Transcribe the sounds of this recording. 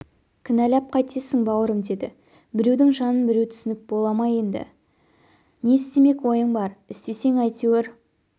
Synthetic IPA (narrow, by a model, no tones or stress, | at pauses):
kʲʰɪnælæp̚qʰɑjt̪ʰesɪŋbɑwəɾəmd̪e̞d̪ɪ̰ | bɪɾe̞wd̪ɪŋʒɑnənbɪɾe̞wt̪ʰʏ̥sɪnɪp̚bo̞lˠɑmɑje̞nd̪ɪ̰ | ne̞ɪst̪e̞me̞kwo̞jəɴbɑɾɪst̪e̞se̞ŋɑjt̪eweɾ